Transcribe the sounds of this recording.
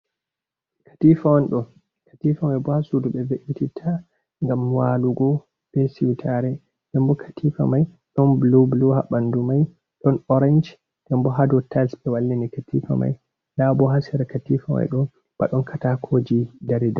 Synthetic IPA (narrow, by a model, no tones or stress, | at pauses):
kʰḁtifawanɗɔ | kḁtifamajbɔhasuduɓɛveʔititʰa | ŋɡamwaluɡɔ | b̥ɛsiwtʰaɾɛ | d̥ɛmbɔkʰḁtʰifa̰maj | ɗɔnblubluha̰ɓandumaj | ɗɔnɔɾand͡ʒ | d̥ɛmbɔɦadɔtʰalsbɛwalːinikatifa̰ma̰j | labɔɦasɛɾakatifama̰jɗɔ | b̥a̰ɗɔnkʰatakʰod͡ʒidaɾida